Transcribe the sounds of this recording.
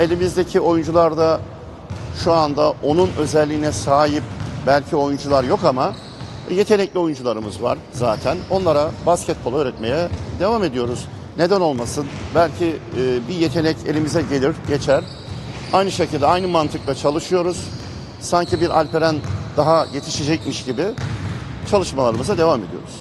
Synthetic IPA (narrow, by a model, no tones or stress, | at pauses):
e̞lʲimizd̪e̞cʰio̞jund͡ʒulˠaɾd̪a | ʃuand̪aʔo̞nunø̞zɛlʲːiːnɛsaːjip̚bælʲcʰio̞jund͡ʒulˠaɾjo̞kama | je̞t̪ʰe̞nɛclʲio̞jund͡ʒulˠaɾɯmɯzva̰ɾ̥ | zaːt̪ʰæno̞nlˠaɾabascʰɛt̪̚bolˠaøːɾɛt̪me̞jɛd̪e̞vaːme̞d̪ijo̞ɾuz | ne̞d̪æno̞lˠmasɯnbælʲcʰibije̞t̪ʰe̞nɛce̞̰lʲimizɛɟelʲiɾɟe̞t͡ʃʰæɾ | ajnɯʃe̞cʰilʲd̪ɛajnɯmant̪ʰɯklˠat͡ʃʰalˠɯʃɯjo̞ɾuz̥ | saɲcibiɾʔalʲpeɾænd̪̥aɦaje̞t̪ʰi̥ʃed͡ʒɛc̚miʃɟibɪ | t͡ʃʰalˠɯʃmalˠaɾɯmɯzad̪e̞vaːme̞d̪ijo̞̰ɾuz̥